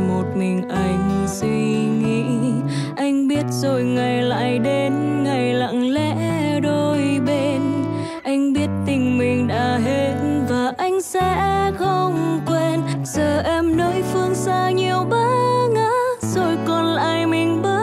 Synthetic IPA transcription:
mo˨˩t̚mi˨˩ŋ̟ʔa˧jŋ̟si˧ŋḭ˧˨ | ʔa˧jŋ̟ɓi˦˥ət̚z̥o˧˩jŋa˨˩jla̰ː˧˨jɗe˨˦nŋa˨˩jla̰˧˨ŋlɛ̰˧˥ɗo˧jɓe˧n | ʔa˧jŋ̟ɓi˦˥ət̚t̪ï˨˩ŋ̟mï˨˩ŋ̟ɗa̰ː˧˥ɦe˧t̚nvaː˨˩ʔa˧jŋ̟sɛ̰˧˥xə˧wŋ͡mkwe˧nzəː˨˩ʔɛ˧mno˨˦jfɨ˧ənsaː˧ɲi˨˩əwɓaː˧˦ŋaː˧˥zo˧˩jkɔ˨˩nlaː˧˨jmï˨˩ŋ̟ɓə˦˥

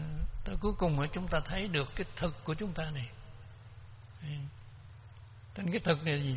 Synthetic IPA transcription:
t̪o˧jku˨˦jkʊ˨˩ŋ͡mʔəː˧˦t͡ɕʊ˨˦ŋ͡mt̪aː˧t̪ʰə˨˦jɗɨ˨˩əkːaː˨˦jt̪ʰɨ˨˩kːu˧˩ət͡ɕʊ˨˦ŋ͡mt̪aː˧na˨˩j | t̪a˧nkaː˨˦jt̪ʰɨ˨˩k̚na˨˩i˨˩

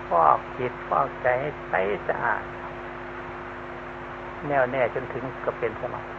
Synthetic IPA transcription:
pʰɔː˥˩k̚kʰi˨˦t̪̚pʰɔː˥˩k̚t͡ɕa˨˧jha˧˩pa˧jsa̰˧ʔa̰ː˨˩t̪̚ | nɛː˧˩wnɛː˧˩t͡ɕo˧nt̪ʰɯ˨˦ŋkɔ˧˩pe˧nsa˧ma̰˨˦k̚

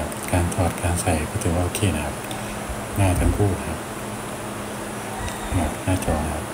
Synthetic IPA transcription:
p̚kaː˧nt̪ʰɔː˨˩t̪̚kaː˧nsa˨˩jkʰɔː˥˩t̪ʰːwaː˧˥˨o˧˩kʰeː˧˩nɐ˦kʰa˥p̚ | naː˥˩t̪ʰa˧˥˩ŋpʰuː˥˩t̪̚n˧kʰa˦˥p̚ | ma˨˩t̚naː˥˩t͡ɕɔː˧ŋkʰa˦˥p̚

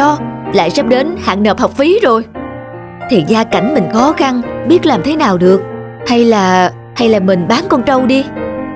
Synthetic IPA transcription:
ɔ˨˧˦la̰ː˧˨jsə˦˥p̚ɗe˨˦nha̰ː˧˨ŋnəː˨˩p̚ha˨˩wk͡p̚fi˨˦zo˨˩j | t̪ʰi˨˩zaː˧ka˧˩jŋ̟mï˨˩ŋ̟xɔ˨˦xa˧nɓi˦˥ət̚laː˨˩mt̪ʰe˨˦naː˨˩wɗɨ˨˩ək̚ | ha˧jlaː˨˩ | ha˧jlaː˨˩mï˨˩ŋ̟ɓaː˨˦nkɔ˧nt͡ɕə˧wɗi˧

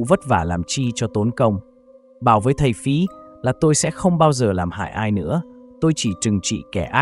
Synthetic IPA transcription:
və˦˥t̚vaː˧˩laː˨˩mt͡ɕi˧t͡ɕɔ˧t̪o˨˦nkə˧wŋ͡m | ɓaː˧˩wvəː˨˦jt̪ʰə˨˩jfi˨˦laː˨˩t̪o˧jsɛ̰˧˥xə˧wŋ͡mɓaː˧wzəː˨˩laː˨˩mha̰ː˧˨jʔaː˧jnɨ̰˧˥ət̪o˧jt͡ɕi˧˩t͡ɕɨ˨˩ŋt͡ɕḭ˧˨kɛ˧˩ʔaː˦˥

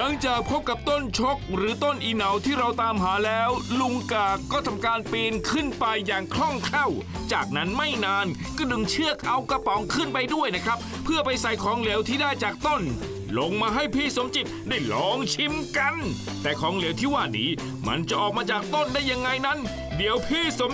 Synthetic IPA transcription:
la˨˦ŋt͡ɕaː˨˩k̚pʰo˦˥p̚ka˨˩p̚t̪o˥˩nt͡ɕʰo˦˥k̚ɾɯː˩˦t̪o˥˩nʔi˨˧na˨˩wt̪ʰiː˥˩ɾa˧wt̪aː˧mɦaː˩˦lɛː˦˥wlu˧ŋkaː˨˩kːɔː˥˩t̪ʰa˧mkaː˧npiː˧nkʰɯ˥˩npa˧jːaː˨˩ŋkʰɾɔ˥˩ŋkʰa˥˩w | t͡ɕaː˨˩k̚na˦˥nma˥˩jnaː˧n | kɔː˥˩dɯ˧ŋt͡ɕʰɯ˥˩ək̚ʔa˧wka˧pɔ˨˦ŋkʰɯ˥˩npa˧jdu˥˩əjna˦˥kʰɾa˦˥p̚ | pʰːɯ˥˩ɐpa˧jsa˨˩jkʰɔː˨˩˦ŋle˨˩˦wt̪ʰiː˥˩daː˥˩jt͡ɕaː˨˩k̚t̪o˥˩n | lo˧ŋmaː˧ɦa˥˩jpʰiː˥˩so˨˩˦mt͡ɕi˨˩p̪̚daː˥˩jlɔː˨˦ŋt͡ɕʰi˧mka˧n | t̪ɛː˨˩kʰɔː˩˦ŋle˨˩˦əwt̪ʰiː˥˩waː˥˩nḭː˦˥ | ma̰˧nt͡ɕa˨˩ʔɔː˨˩k̚maː˧t͡ɕaː˨˩k̚t̪o˥˩ndaː˥˩jːa˧ŋːa˧jna˦˥n | di˩˦əwpʰiː˥˩so˨˩˦

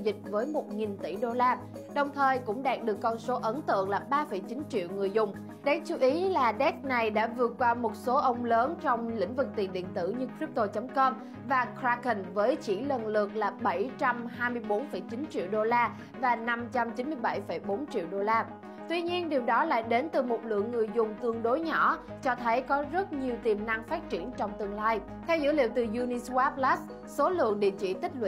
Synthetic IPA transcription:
zï˨˩k̟̚vəː˨˦jmo˨˩t̚ŋi˨˩nt̪i˧˩ɗo˧laː˧ | ɗə˨˩wŋ͡mt̪ʰəː˨˩jkʊ̰˧˥ŋ͡mɗaː˨˩t̚ɗɨ˨˩əkːɔ˧nso˨˦ʔə˨˦nt̪ɨ̰˧˨əŋlaː˨˩ɓaː˧fə˧˩jt͡ɕi˨˦nt͡ɕḭ˧˨əwŋɨ˨˩əjzʊ˨˩ŋ͡m | ɗɛ˨˦˥k̚t͡ɕu˨˦ʔi˨˦laː˨˩ɗɛ˦˥k̚na˨˩jɗa̰ː˧˥vɨ˨˩ət̚kwaː˧mo˨˩t̚so˨˦ʔə˧wŋ͡mləː˨˦nt͡ɕɔ˧wŋ͡mlḭ̈˧˥ŋ̟vɨ˨˩k̚t̪i˨˩nɗḭ˧˨ənt̪ɨ̰˧˩ɲɨ˧kɾi˦˥p̚t̪o˧t͡ɕə˨˦mkəː˧m | vaː˨˩kɾaː˧kə˨˩nvəː˨˦jt͡ɕḭ˧˩lə˨˩nlɨ˨˩ək̚laː˨˩ɓə˧˩jt͡ɕa˧mhaː˧jmɨ˧əjɓo˨˦nfə˧˩jt͡ɕi˨˦nt͡ɕḭ˧˨əwɗo˧laː˧ | vaː˨˩na˧mt͡ɕa˧mt͡ɕi˨˦nmɨ˧əjɓa˧˩jfə˧˩jɓo˨˦nt͡ɕḭ˧˨əwɗo˧laː˧ | t̪wi˧ɲi˧ənɗi˨˩əwɗɔ˨˦la̰ː˧˨jɗe˨˦nt̪ɨ˨˩mo˨˩t̚lɨ̰˧˨əŋːɨ˨˩əjzʊ˨˩ŋ͡mt̪ɨ˧˩əŋɗo˨˦jɲɔ̰˧˩˥ | t͡ɕɔ˧t̪ʰə˨˦jkɔ˨˦zə˦˥t̚ɲi˨˩əwt̪i˨˩mna˧ŋfaː˦˥t̚t͡ɕi˧˩ənt͡ɕɔ˧wŋ͡mt̪ɨ˧əŋlaː˧j | t̪ʰɛ˧wzɨ̰˧˥lḭ˧˨wt̪ɨ˨˩zu˧ni˧swa˦˥p̚la˦˥s | so˨˦lɨ̰˧˨əŋɗḭ˧˨ənt͡ɕḭ˧˨t̪ï˦˥k̟̚lw̰ḭ˧˨

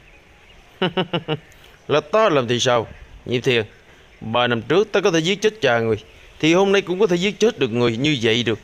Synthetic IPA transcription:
h | la˨˩t̪a˧laː˨˩mt̪ʰi˨˩saː˧wɲḭ˧˨mt̪ʰi˨˩ən | ɓaː˨˩na˧˩mt͡ɕɨ˦˥ək̚t̪aː˧kɔ˨˦t̪ʰe˧˦zi˦˥ət̚t͡ɕə˦˥t̚t͡ɕaː˨˩ŋɨ˨˩əj | t̪ʰi˨˩ho˧mna˧jkʊ̰˧˥ŋ͡mkɔ˧˦t̪ʰe˧˩zi˦˥ət̚t͡ɕe˦˥t̚ɗɨ˨˩ək̚ŋɨ˨˩əjɲɨ˧və̰˧˨jɗɨ˨˩ək̚

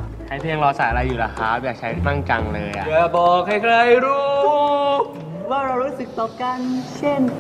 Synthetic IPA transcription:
t͡ɕʰa˦˧˦jp̪ʰi˧ŋɾɔː˧saː˨˩˦ʔa˧a˧jːuː˨˩la˧kʰaː˦˥˧jaː˨˩k̚t͡ɕʰa˦˥jna˥˩ŋka˧ŋlɤː˧jʔa̰˨jaː˨˩bɔː˨˩k̚ha˥˩jkʰɾa˧jɾuː˦˥ | waː˥˩ɾa˧wɾuː˦˥sɯ˨˩k̚t̪ɔː˨˩ka˧nt͡ɕʰe˥˩n

